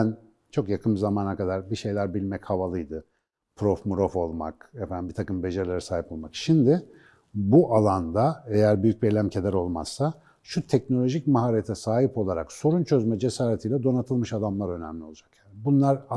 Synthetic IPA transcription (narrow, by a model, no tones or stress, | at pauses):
æn | t͡ʃʰo̞kjakʰɯmzamaːnakad̪aɾbiʃe̞jlʲæɾbilʲmɛchavalˠɯjd̪ɯ | pʰɾofmuɾofo̞lˠma̰kefænmbit̪ʰakɯmbe̞ʒaɾlʲeɾɛsaːɦipo̞lˠmakʃimd̪ɪ | buʔalˠand̪aejæɾbyjyc̚bielʲæmcʰe̞d̪æɾo̞lˠma̰z̥sa | ʃut̪ʰɛcno̞lʲo̞ʒic̚maɦaɾet̪ʰɛsaːɦipo̞lˠaɾakso̞ɾunt͡ʃʰø̞zmɛd͡ʒe̞saːɾet̪ʰijːlʲɛd̪o̞nat̪ʰɯlˠmɯʃad̪amlˠaɾø̞nɛmlʲio̞lˠad͡ʒakjaːnɪbunlˠaɾa